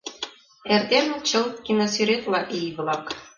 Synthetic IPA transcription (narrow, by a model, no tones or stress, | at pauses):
erd̪emt͡ɕɤ̆lt̪kʲinosyɾʲet̪lˠɑʔijblˠɑk